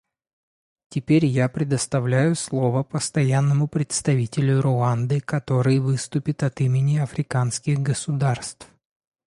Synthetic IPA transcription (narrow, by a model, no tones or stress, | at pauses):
tʲɪpʲeɾʲjapɾʲɪd̪əst̪ɐvlʲæjʊslˠo̞vəpəst̪ɐjanːəmʊpɾʲɪt̪st̪ɐvʲitʲɪlʲʊɾʊand̪ɨkɐt̪o̞ɾɨjvɨst̪ʊpʲɪt̪ɐt̪imʲɪnʲɪɐfɾʲɪkanskʲɪɣɡəsʊd̪arst̪f